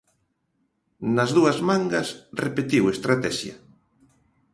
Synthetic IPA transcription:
nɐzðuɐzmaŋɡɐsrepet̪iwest̪ɾat̪ɛʃjɐ̰

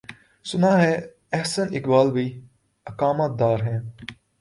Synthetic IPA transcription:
sʊnaːɦɛ̃ː | ɛɦsənɪkbaːlbiː | ɐkaːmət̪̚d̪aːɾɦɛ̃ː

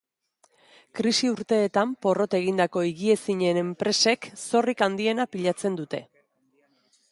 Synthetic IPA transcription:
kɾisiuɾt̪e̞ːt̪ampo̞ro̞t̪e̞ɣ̞ind̪ako̞iɣie̞siɲe̞ne̞mpɾe̞se̞kso̞rikand̪ie̞napiʎat͡se̞nd̪ut̪e̞̰

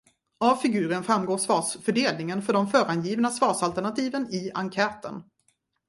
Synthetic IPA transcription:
avfɪɡʉ̟ːɾənfɾamːɡoːʂvɑːsfœɖeːlnɪŋənfœɖɔmfœːɾanjiːvnasvɑːsalt̪æɳat̪ʰiːvənɪaŋkʰɛːt̪ə̰n

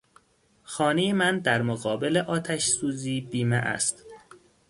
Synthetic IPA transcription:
xɒːnejemænd̪æɾmoɣɒːbeleʔɒːt̪ʰæʃsuːziːbiːmḛʔæ̰st̪

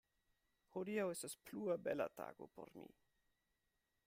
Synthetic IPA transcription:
hod̪iawestaspluabela̰t̪a̰ɡopo̰ɾmḭ

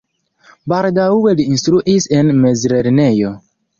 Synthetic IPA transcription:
baldawweliinstɾuʔisenmezɾeɾne̞jo

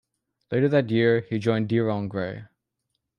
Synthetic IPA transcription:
leɪɾə˞ðætjɪɹhid͡ʒɔ̃ɪ̃ndiɹɑ̃ŋɡɹeɪ

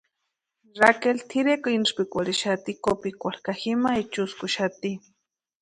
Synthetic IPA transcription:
ɾakelt̪ʰiɾekoinʂpikʷaɾiʃat̪ikopikʷalkaximait͡ʃʊskʊʃat̪i

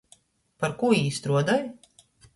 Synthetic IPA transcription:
paɾkuiːst̪ɾuɔd̪aj

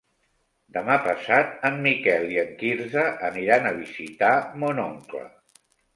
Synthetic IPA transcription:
d̪əmapəsat̪̚əmːikɛlˠiəŋkiɾzəʔəniɾanəβ̞izit̪amonoŋklə̰

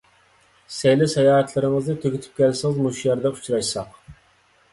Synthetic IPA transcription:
sɛjlɪsɛjɑːɦɛt̪ʰlˠɨɾɨŋɨznɨt̪ʰøkʲit̪ʰy̥p̚kʲʰɛlsɪŋɪzmuʃjɑɾd̪ɛu̥t͡ʃʰɾɑʃsɑq

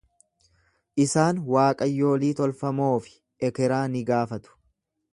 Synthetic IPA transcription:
ʔɪsaːnwaːkʼɐjːo̞ːliːt̪ɔlfɐmo̞ːfɪ̥ | ɛkɛɾaːnɪɡaːfɐt̪ʊ̥

